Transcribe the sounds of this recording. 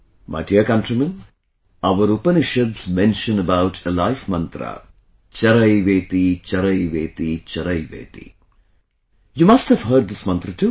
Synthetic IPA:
mʔa̰ɪʈiəkɐ̃nʈɾimə̃n | ɐʋəɾupɐnɪʃɐdzmɛ̃nʃə̃nəbaʊʈʰəlaɪfmɐ̃nt̪ɾa̰ | t͡ʃɐɾɐjʋeːt̪it͡ʃɐɾɐjʋeːt̪it͡ʃɐɾɐjʋḛːt̪ḭ | jumɐsʈhəʋɦəɾɖ̚d̪ɪsmɐ̃nt̪ɾɐʈu

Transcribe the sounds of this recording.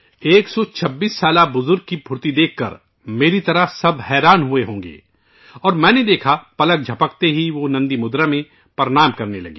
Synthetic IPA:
eːksɔt͡ʃʰɐbːiːsːaːlabʊzʊɾɡ̚kibʱʊɾt̪id̪eːkʰːɐ̰ɾ | meːɾit̪ɐɾəɦsɐbhɛːɾaːnɦʊeɦõːŋ̆ɡḛː | ɔːɾmɛ̃ːned̪eːkʰapɐlək̚d͡ʒʱɐpək̚t̪eɦiʋonɐ̃nd̪imʊd̪ɾamẽ | pɐɾɽ̃aːmkɐɾnelɐ̰ɡḛː

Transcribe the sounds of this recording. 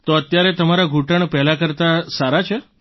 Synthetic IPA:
t̪oət̪jaɾet̪əmaɾaɡʱuʈəɳpɛlakəɾt̪asaɾat͡ʃʰe

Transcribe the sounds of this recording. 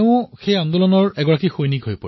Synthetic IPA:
ʊ̃xejɔnd̪ɔlɔnɔɹɛɡɔɹakixojnikɦojpɔ̰

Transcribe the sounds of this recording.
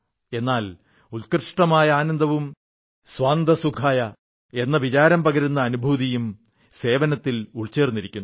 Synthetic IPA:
e̞nːaːl | ulkrʂʈɐmaːjɐaːnɐnd̪ʱɐʋum | sʋaːnd̪ɐsukʰaːjɐ | e̞nːɐʋit͡ɕaːɾɐmpɐɡɐɾunːɐːnubʱuːðijum | se̞ːʋɐnɐt̪ːiluɭt͡ɕːe̞ːrnːiɾikʲːunː

